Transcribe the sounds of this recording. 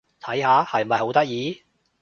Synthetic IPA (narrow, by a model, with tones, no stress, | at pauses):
t̪ʰɐ˨˥jhaː˨˧˥hɐ˨jm˨mɐ˨jho˨˥wt̪ɐ˥k̚jiː˨˧